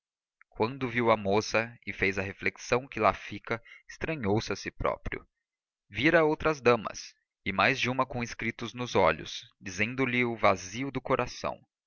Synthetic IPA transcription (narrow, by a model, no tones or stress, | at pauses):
kwɐ̃nd̪ʊviwɐmosɐɪfejzɐhefleksɐ̃w̃kɪlafikɐɪst̪ɾɐ̃ɲowsɪɐsɪpɾɔ̰pɾiʊ̰ | viɾɐowt̪ɾɐzd̪ɐ̃mɐ̰s | ɪmajzd͡ʒɪũmɐkõɪskɾit̪ʊznʊzɔʎʊ̰sd͡ʒizẽnd̪ʊlɪʊvaziʊd̪ʊkoɾʔasɐ̰̃w̃